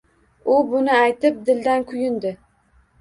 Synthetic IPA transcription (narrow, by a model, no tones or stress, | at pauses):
ʊbʊnɪajt̪ɪp̚d̪ɪld̪ankʰʊjʊnd̪ɪ